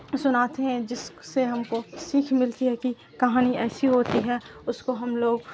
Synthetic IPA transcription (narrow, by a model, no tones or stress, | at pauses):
sʊnaːt̪eɦɛ̃d͡ʒɪsseɦɐmkosiːkʰmɪlt̪iɦɛki | kɐɦaːniɛːsiɦoːt̪iɦɛːʊskoɦɐmloːɡ